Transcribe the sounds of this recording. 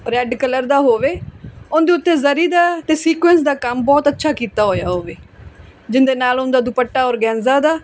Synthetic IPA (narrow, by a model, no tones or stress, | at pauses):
ɾɛːɖkələɾd̪aːɦoːʋeːʊnd̪eːʊt̪ːeːzəɾiːd̪aːt̪eːsiːkwɛ̃ːns̬d̪aːkəmbɔːt̪ətːʃʰaːkiːt̪aːɦoːjaːɦoːʋeː | d͡ʒɪnd̪eːnaːlʊnd̪aːd̪ʊpəʈːaːɔːɾɡɛ̃ːnzaːd̪aː